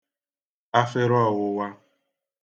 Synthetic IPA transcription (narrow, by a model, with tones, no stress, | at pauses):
a˦fɪ˦ɾɔ˦˨wʊ˨wa˦